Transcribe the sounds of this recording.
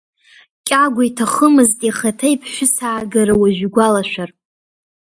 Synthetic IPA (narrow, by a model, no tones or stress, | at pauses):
kʲʼaɡʷaitʰaχəmɨztʼiχatʰajpʰʃʷᶣʊsaːɡaɾɨwaʒʷᶣɡʷalaʃʷᶣar